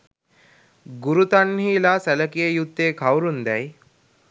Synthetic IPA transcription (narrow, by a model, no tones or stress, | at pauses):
ɡuɾut̪anhiːlasæləkijejut̪ːeːkʰawɾund̪ɛj